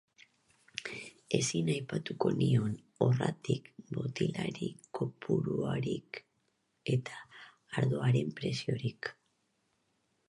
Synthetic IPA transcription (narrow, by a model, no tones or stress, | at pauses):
e̞sinajpat̪uko̞nio̞n | o̞rat̪ikbo̞t̪ilaɾiko̞pʰuɾuaɾik | e̞t̪ʰḁː | ɾðo̞aɾe̞mpɾe̞sio̞ɾik